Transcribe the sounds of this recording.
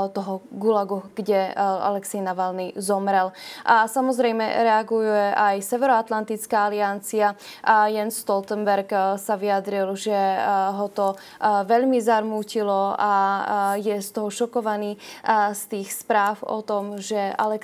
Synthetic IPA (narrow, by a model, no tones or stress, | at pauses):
t̪ɔɦɔɡulaɡuɡ̥ɟɛa̰lɛksɛjnaʋalnizɔmɾɛlsamɔzɾɛjmɛ̰ɾɛaɡujɛʔajsɛʋɛɾɔat̪lant̪it͡skaːaliant͡siajɛnsʃt̪ɔlt̪ɛmbɛɾksaʋiad̪ɾilʒɛɦɔt̪ɔ | ʋɛʎmizaɾmuːcilɔajɛst̪ɔɦɔʃɔkɔʋaniːst̪iːxspɾaːwɔ̰t̪ɔmʒɛa̰lɛk